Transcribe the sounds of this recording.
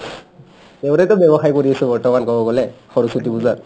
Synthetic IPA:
teʊɾɛtʊbɛbɔxajkoɹiasɛbɔɹtɔmankɔbɔɡɔlɛxɔɹusutibuzat

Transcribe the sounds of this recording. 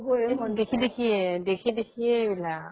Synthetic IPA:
bomɔdekʰidekʰiɛdekʰidekʰiɛbila

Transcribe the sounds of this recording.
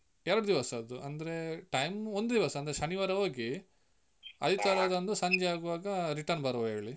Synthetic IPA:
ɛɾɐɽud̪iʋɐsɐɐd̪uʔɐnd̪ɐɾeʈɐjmond̪d̪iʋɐsɐnd̪ɐɾeʃɐniʋaːɾɐɦoːɡi | ɐ̰d̪it̪ɐɾad̪ɐnd̪usɐɲd͡ʒɛaːɡuʋaːɡɐɾiʈɐɾnbɐɾɐʋɦeːɭi

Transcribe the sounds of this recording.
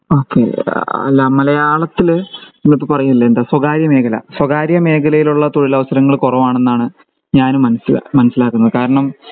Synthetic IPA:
o̞ːkːḛɐ̰lːɐmɐlɐjaːɭɐt̪ːilenːop̬ːopɐrɐjunilːɐend̪aːswɐɡaːɾjɐme̞ːkʰɐlɐ̰swɐɡaːɾjɐme̞ːkʰɐlɐjiluɭːɐt̪oɻilɐʋɐsɐɾɐŋːɐɭkurɐʋaːɳe̞nːaːɳɨ | ɲaːnmɐnɐsil̰mɐnɐsːilaːkːunːɐðɨkaːɾɐɳɐm

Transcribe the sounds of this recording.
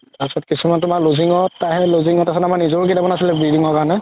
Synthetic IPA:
asɔtkisumantʊmaloziŋɔtːaɦɛloziŋɔtasɔnamanizoɹkidamɔnasilɛbɹidiŋɔkaɹɔnɛ

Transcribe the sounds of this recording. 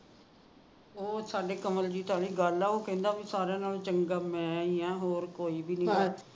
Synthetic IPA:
oːsaːɖeːkəməld͡ʒiːt̪ʰʊaːɽiːɡəlɛːoːkɛ̃ːnd̪aːbisaːɾjãːnaːlt͡ʃəŋɡaːmɛ̃ːiːãːɦoːɾkoːiːbiːnə̃

